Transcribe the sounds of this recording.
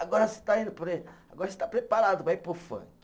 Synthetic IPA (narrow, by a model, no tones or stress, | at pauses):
aɡɔɾɐse̥t̪aĩnd̪ʊpoɾeaɡɔɾɐse̥t̪apɾepaɾad̪ʊpɾaipofɐ̰̃